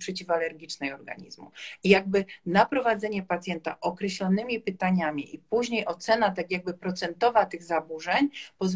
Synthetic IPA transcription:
pʂɛt͡ɕifalɛɾɡʲit͡ʂnɛjɔɾɡa̰ɲḭzmṵijaɡ̚bɘnapɾɔvad̪zɛɲɛpat̪sʲjɛnt̪a̰ʔɔkɾɛɕlɔnɘmʲipɘt̪aɲamʲiʔipuʑɲejɔt̪sɛnat̪akʲjaɡ̚bɘpɾɔt̪sɛnt̪ɔvat̪ɘɣzabuʐɛɲpɔz

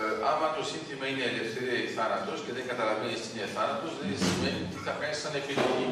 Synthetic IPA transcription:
ɐmɐt̪o̞sint̪imɐineːle̞fθe̞ɾiɐiθɐnɐt̪o̞sce̞ðeŋɡɐt̪ɐlɐvenisineθɐnɐt̪ozðeðensimenit̪iθɐfkɐnsɐnepiðoli

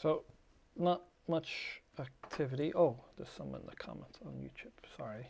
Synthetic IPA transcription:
soʊ | nət̚ | mʌt͡ʃak̚tʰɪvɨɾiʔoʊð̥əz̥sʌ̃mə̰̃nðəkʰɑ̰mɛ̰̃ntʰn̩jʉ̰t͡ʃʰʉb̥sɑɹi

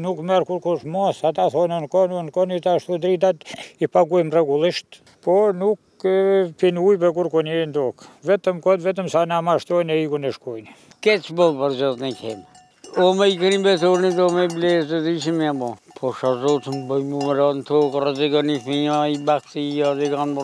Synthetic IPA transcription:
nukmɛɾkuɾkuʃmɔsat̪aθɔnənkɔnunkɔnit̪aʃt̪ud̪ɾit̪at̪ipaɡujmrɛɡulˠiʃt̪ | pɔnuk | pinujpɛkuɾkɔnɛnt̪ɔkvɛt̪əmkɔt̪vɛt̪̬əmsanamaʃt̪ɔjnɛikunɛʃkujn | kɛt͡ʃbɔlˠpəɾzɔt̪nɛkʰɛm | ɔmɛikənibɛt̪ɔɾnid̪ɔmɛblɛzəziʃimiabɔpʰɔʃazɔt̪əmbəjmuməɾant̪ʰɔkrɛzɛɡanifiaibaksijaðɛɡanb

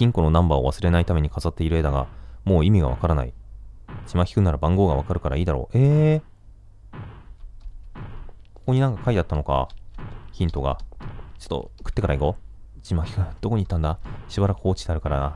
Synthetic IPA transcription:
çʲĩŋko̞no̞nãmbao̰βa̰sɨɾe̞nait̪ame̞ɲ̟ikazat̪ːe̞iɾɯ̟ed̪aɡa̰moːimʲiɡa̰β̞a̰kaɾana̰ḭ | t͡ɕimaçʲi̥kɯ̟naɾabãŋɡo̞ːɡaβakaɾɯ̟kaɾaiːd̪aɾo̞̰ːʔeː | koko̞ɲ̟inãŋkḁkʰait̪at̪ːano̞ka̰ | çĩnt̪o̞ɡa̰t͡ɕo̥t̪ːo̰kɯ̟̥t̪ːe̞kaɾaiɡo̞ | t͡ɕimakʲi̥kɯ̟d̪̥o̞ko̞ɲ̟it̪ːãnd̪aɕibaɾakɯ̟o̞ːt͡ɕi̥d̪eaɾɯ̟kaɾaa

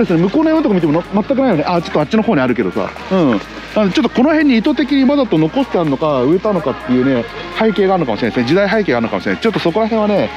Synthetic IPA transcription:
d̪esɨnemɯ̟ko̞ːnojõnt̪okamit̪emmat̪ːakɯnaijo̞neʔat͡ɕo̞t̪ːat͡ɕino̞ho̞ːɲ̟iaɾɯ̟k̬e̞d̪o̞sa̰ | ɯ̟̃ | nand̪et͡ɕo̞t̪ːoko̞no̞hẽ̞ɲ̟ːiːt̪o̞t̪ekʲiɲ̟imad̪at̪o̞no̞ko̞st̪eaɾɯno̞kaɯet̪ano̞kat̪ːe̞jɯ̟ːne̞haike̞ːɡaːɾɯnokamoɕiɾemesẽd͡ʑid̪aiɦaikeɡaɾɯnokamoɕiɾenset͡ɕot̪ːo̞soko̞ɾaɦẽɰ̃βane̞

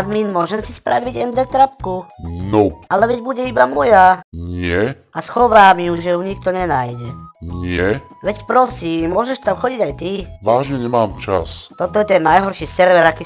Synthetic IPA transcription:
ad̪miːnmʊɔʒɛmsi̥spɾa̰ʋiɟɛnd̪ɛt̪ɾapkunɔʔalɛʋɛɟbuɟɛibamɔjaɲɪɛ | asxɔʋaːmijuʒɛjuɲikt̪ɔɲɛnajɟɛɲɪɛ | ʋɛcpɾɔsiːmːʊɔʒɛʃt̪amxɔɟiɟajt̪iʋaːʒɲɛɲɛmaːmt͡ʃa̰st̪ɔt̪ɔjɛt̪ɛnːajɦɔɾʃisɛɾʋɛɾakiː

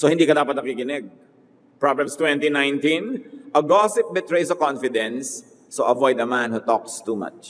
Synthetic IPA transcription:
sohɪ̃nd̪iːkɐd̪aːpɐt̪̚nɐkɪkɪnɛɡ̚ | pɹablɛmst̪wɛ̃nt̪inãjnt̪ĩnʔɐɡɔsɪp̚bɛt̪ɹejsɐkɔ̃nfɪd̪ɛ̃nsː | oʔɐvɔjd̪ɐmãnhut̪ɔk̚st̪uma̰t͡ʃ

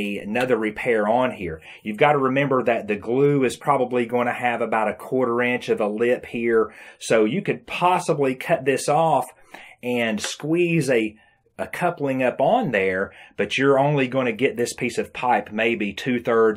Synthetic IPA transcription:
nʌðə˞ɹɨpʰɛɹə̃nhiɹ | jʉvɡɑɾəɹɨmɛ̃mbə˞ðɨt̪̚ðɨɡlʉɨz̥pʰɹ̥ɑbəbliɡoʊɪ̃ntʰɨɨvəbaʊɾɨkʰw̥ɔɹɾə˞ɪ̃nt͡ʃʌvəlɪphiɹsoʊjɨkɨd̚pʰɑsəblikʰʌt̪̚ðɪsɔf | ɨ̃nskwizɨ | əkʰʌplɪ̃ŋʌpn̩ðə˞b̥ʌt͡ʃə˞õʊ̃nliɡoʊɪ̃nʰɨɡɛt̪̚ðɪspʰisʌv̥pʰaɪpmeɪbitʰʉθɜ˞d

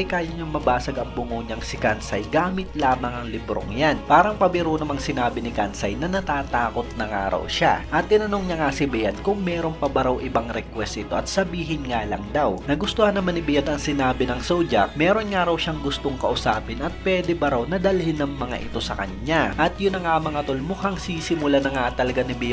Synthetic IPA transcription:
ɐjkaːjɐɲɐmɐbaːsɐɡɐŋbʊŋoɲɐŋsɪkansɐjɡaːmɪt̪laːmɐŋɐŋlɪbɾo̰ŋjanpaːɾɐŋpɐbɪɾunɐmɐŋsɪnaːbɪnɪkansɐjnɐnɐt̪aːt̪aːko̞t̪̚nɐŋaːɾɐ̰wʃa̰ʔɐt̪ːɪnɐnoŋɲɐŋasɪbɪjad̪̚kʊŋmɛːɾo̞npɐbɐɾɐwʔɪbaŋɾɛkwɛsɪt̪o̞ʔɐt̪̚sɐbiːɦɪnŋaːlɐŋd̪awnɐɡʊst̪ohɐnːɐmɐnɪbɪjad̪ɐŋsɪnaːbɪnɐŋsowd͡ʒɐk̚mɛːɾo̞nŋaːɾɐwʃaŋɡʊst̪oŋkɐʔʊsaːpɪnɐt̪̚pwɛːd̪ɛbɐɾawnɐd̪ɐlhɪnːɐŋmɐŋa̰ʔɪt̪o̞sɐkɐ̰ɲaʔɐt̪jʊnːɐŋaɐmɐŋɐt̪olmʊkaŋsiːsɪmʊlanɐŋaʔt̪ːɐlɐɡanɪbɪ

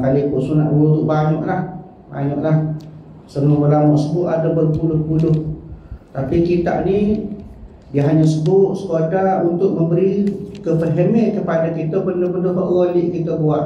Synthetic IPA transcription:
kalikuʔsuna̰ʔ̚bulut̪ʊʔbaɲɔʔlah | ba̰ɲɔʔlah | sənobərlamɔʔsəbʊʔ̪adabərpulʊhpulʊht̪apikit̪a̰ʔni | diəɦaɲasəbʊʔ̪̚sə̥kotaunt̪ʊʔ̚məmbəɾikəpəɦəmeʔkəpadakit̪əpəndopəndoɦɔ̰ʔɣoliʔkit̪əbuaʔ

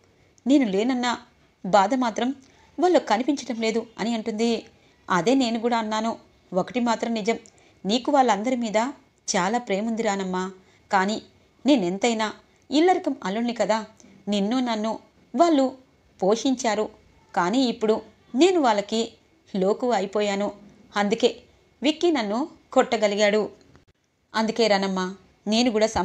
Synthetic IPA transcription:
ne̞ːnule̞ːnɐnːɐ | baːd̪ɐmaːt̪ɾɐm | ʋaːɭːukɐnipiɲt͡ʃɐɽɐmle̞ːd̪uɐ̰niɐɳʈund̪i | ɐd̪e̞ːne̞ːnuk̬uːɽaːɐnːaːnu | okɐʈimaːt̪ɾɐmnid͡ʒɐm | niːkuʋaːɭːɐnd̪ɐɾimiːd̪ɐ | t͡ʃaːlaːpɾe̞ːmund̪iɾaːnɐmːaː | kaːniː | ne̞ːnent̪ɐjnaː | ilːɐɾikɐmɐlunːikɐd̪aː | ninːunɐnːu | ʋaːɭːu | po̞ːʂiɲt͡ʃaːɾu | kaːniːipːuɽu | ne̞ːnuʋaːɭːɐki | lo̞ːkuːɐjpɔːjaːnu | ɐnd̪uke̞ː | ʋikːinɐnːukɔʈːɐɡɐliɡaːɽu | ɐnd̪uke̞ːɾaːnɐmːaː | ne̞ːnukuːɽaːsɐ

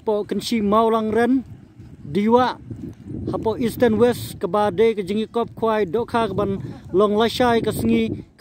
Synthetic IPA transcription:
pɔʔkənʃimawlaŋɾɛn | diwaʔhapɔʔistənwɛskəbadekəd͡ʒəŋikɔp̚kʰwajdɔʔkʰakəbanlɔŋlajʃajkasəŋik

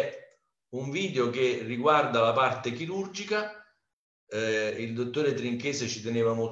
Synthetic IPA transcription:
uɱviːd̪eokerːiɡward̪alapart̪ekiɾurd͡ʒika | ild̪ot̪ːoːɾet̪ɾiŋkeːset͡ʃit̪eneːvamo

